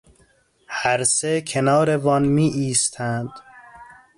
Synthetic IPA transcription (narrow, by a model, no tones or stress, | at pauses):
hæɾsekʰenɒːɾe̞vɒːnmiːʔiːst̪ʰænd̪̥